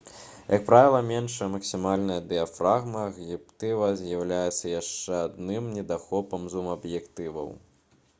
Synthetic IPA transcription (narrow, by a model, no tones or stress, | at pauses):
jʔɐk̚pɾavʲilˠɐmʲɛnʂɛmɐksʲimalʲnɐjɐd̪ɛafɾaɣmɐɣjipt̪ɨvɐzʲjawlʲajɛt̪sːɐjaʂt͡ʂɛad̪nɨmnʲɛd̪axɔpɐmzumɐbjɛkt̪ɨvɐ̰w